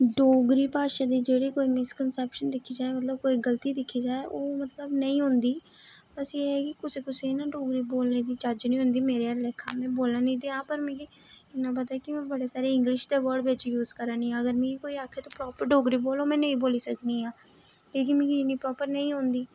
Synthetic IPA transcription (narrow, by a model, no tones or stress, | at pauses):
ɖoːɡɾiːpaːʃaːd̪iːd͡ʒeːɽiːkoːiːmɪskənsɛːpʃənd̪ɪkʰːiːd͡ʒaːeːmət̪ləb̚koːiːɡəlt̪iːd̪ɪkʰːiːd͡ʒaːeːʔoːmət̪ləbnəĩːɦʊ̃nd̪iː | pəseɛkɪkʊseːkʊsenãːɖoːɡɾiːboːlneːd̪iːt͡ʃad͡ʒnĩːɦʊ̃nd̪iːmeːɾeːaːɾlɛːkʰa̰ːmɛ̃ːboːlãːnĩːd̪eːãːpəɾmɛ̃ːkiː | ɪnãːpət̪aːɛkɪmɛ̃ːbəɽeːsaːɾeːɪ̃ŋɡlɪʃd̪eːʋəːɾɖʋɪt͡ʃjuːzkəɾãːnĩːãːəɡəɾmĩːkoːiːaːkʰeːt̪õːpɾɔːpəɾɖoːɡɾiːboːloːmɛ̃ːnəĩːboːliːsəkniːãː | k̪iːkɪmĩːɡiɪniːpɾɔːpəɾnəĩːɦõːnd̪iː